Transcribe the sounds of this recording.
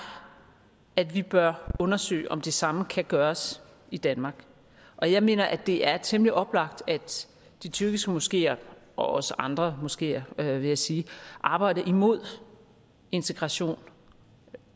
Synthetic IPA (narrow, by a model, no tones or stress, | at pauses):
æd̥ʋib̥ɶɐɔ̽nɐsø̰ːɪʔɒ̽md̥e̝sɑ̈məkʰæɡ̥ɶːɐs | id̥ænmɑ̈ːɡ̥ | ʔɒ̽jɑ̈ɪme̝̰ːnɐʔæd̥e̝ʔæɐt͡sʰemliʔɒ̽b̥lɑ̈ɡ̥d̥æd̥ | d̥it͡sʰyɐɡ̥isɡ̥əmosɡ̥e̝̰ːɐʔɒ̽ɒ̽səʔɑ̈nd̥ʁɐmosɡ̥e̝̰ːɐʋe̝jɑ̈ɪsiːʔɑ̈ːb̥ɑ̈ɪ̰ɾɐʔimo̝ð̞̰ˠ | e̝nt͡sʰe̝ɡ̥ʁɑ̈ɕo̝̰ːn